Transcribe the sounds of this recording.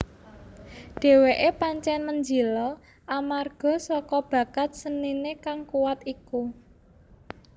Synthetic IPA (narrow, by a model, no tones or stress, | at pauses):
ɖ̥e̤weʔepaɲt͡ʃɛnməɲd͡ʒilɔ | ʔamarɡ̥ɔ̤sɔkɔb̥ä̤ɡat̪̚səninekaŋkuwat̪iku